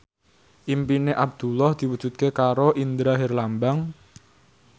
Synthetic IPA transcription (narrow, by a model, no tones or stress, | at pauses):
ʔimpineʔab̚d̪̥ulɔhd̪̥i̤wudʒ̥ṳt̪̚kekaɾoʔind̪ɾaɦerlambaŋ